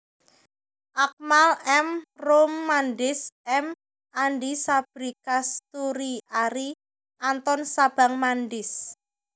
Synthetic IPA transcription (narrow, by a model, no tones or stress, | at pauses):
ʔak̚malɛmromːanɖɪsʔɛm | anɖisab̥ɾikast̪uɾiaɾi | ʔant̪ɔnsab̥a̤ŋmanɖɪs